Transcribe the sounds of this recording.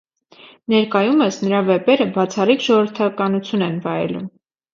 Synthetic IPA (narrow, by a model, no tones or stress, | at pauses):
nɛɾkɑjuməsnəɾɑvɛpɛɾəbɑt͡sʰɑrikʒɔʁəɾt̪ʰɑkɑnut͡sʰjunɛnvɑɾɛ̰lṵm